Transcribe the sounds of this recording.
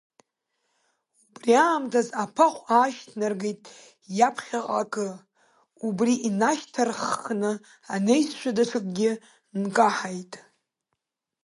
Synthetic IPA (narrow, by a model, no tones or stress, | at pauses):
ubriaːmtʰazapʰaχʷʼaʃtʰnarɡejtʼ | japʰχʲaqʼakʼɨ | ubriʔinaʃtʰarχːnɨ | ane̞jsʃʷadaʈ͡ʂʰɨkʼɡʲɪ | nkʼaħajtʼ